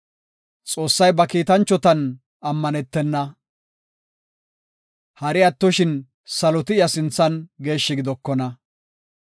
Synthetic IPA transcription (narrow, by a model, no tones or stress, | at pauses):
t͡sʼo̞ːsːɐjbɐkiːt̪ɐnt͡ʃːɔt̪ɐn | ɐmːɐnɛt̪ːɛnːɐ | hɐɾɪɐt̪ːɔʃɪn | sɐlɔt̪ɪɪjɐsɪnt͡sːɐnɡe̞ːʃːɪɡɪd̪ɔkːɔnɐ